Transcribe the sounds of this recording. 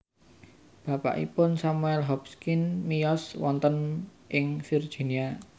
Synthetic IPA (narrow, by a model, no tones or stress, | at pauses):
b̥ä̤pa̰ʔḭpʊnsamuɛlɦɔpskinmijɔswɔnt̪ən | ʔɪŋfird̥ʒ̥i̤nia